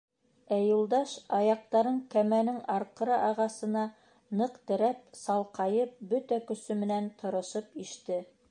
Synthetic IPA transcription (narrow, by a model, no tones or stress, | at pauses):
æjulˠd̪ɑʃɑjɑq̚t̪ɑɾɤɴkæmænɘŋɑɾqɤ̆ɾɤʔɑʁɑsɤ̆nɑ | nɤqt̪ɘ̆ɾæp̚sɑlˠqɑjɤp̚bɵt̪ækɵ̆sɵmɘ̆nænt̪ʰŏɾɤ̆ʃɤpiʃt̪ɘ